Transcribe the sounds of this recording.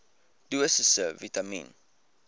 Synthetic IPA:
duəsəsəvitamḭ̃n

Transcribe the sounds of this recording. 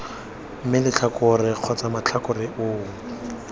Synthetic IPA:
m̩mɪlɪt͡ɬʰakʊrɪq͡χʰɔt͡samat͡ɬʰakʊrɪʔʊːŋ̩

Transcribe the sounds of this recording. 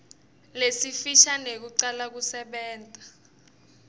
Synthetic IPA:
lesifiʃanek̬uǀalak̬usɛɓɛːntʼa

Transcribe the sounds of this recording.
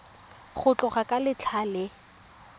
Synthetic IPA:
χʊt͡ɬʼʊχakʼalɪt͡ɬʰalɪ

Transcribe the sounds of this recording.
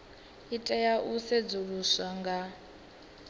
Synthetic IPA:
itʼɛjaʔusɛd͡zuɺusaŋɡa

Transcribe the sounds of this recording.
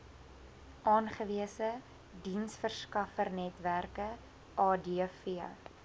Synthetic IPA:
ʔɑːnχəviəsə | dinsfərskɐfərnɛtværkə | ʔɑːdifḭ

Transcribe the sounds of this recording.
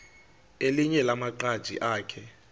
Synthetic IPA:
eliɲɛlamaǃad̥ʒ̥ʱḭʔaːkʰɛ

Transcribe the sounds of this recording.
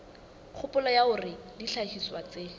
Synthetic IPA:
q͡χʰʊpʊlɔjaʊrɪdiɬahiswat͡se

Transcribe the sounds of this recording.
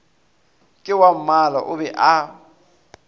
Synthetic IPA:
kʼɪwam̩mala̰ʔʊbɛʔa

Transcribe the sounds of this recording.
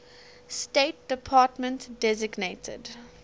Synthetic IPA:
steːt̚d̥əpʰɑːtmə̃ntdɛzɪɡneɪtʰə̰d

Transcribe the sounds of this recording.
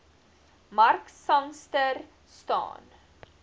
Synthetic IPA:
mɐrksɐŋstər | stɑ̰ːn

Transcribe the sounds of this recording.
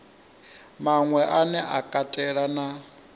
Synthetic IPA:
maŋwɛʔanɛʔakʼatʼɛɺana

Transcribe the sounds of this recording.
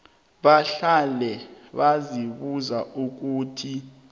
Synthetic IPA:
ɓaɬalɛɓaziɓuzauk̬uːtʰi

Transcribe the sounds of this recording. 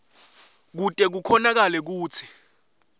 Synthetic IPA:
k̬utʼɛk̬ukʰɔnak̬alɛk̬uːt͡sʰi̥

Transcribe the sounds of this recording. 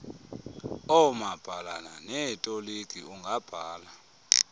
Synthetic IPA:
ɔmab̥ʱalananɛtʼoliɡ̥ʱʼiuŋɡʱab̥ʱaːla

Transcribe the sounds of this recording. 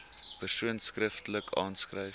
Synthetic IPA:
pərsuənskrəftələkʰɑ̰ːnskrəj

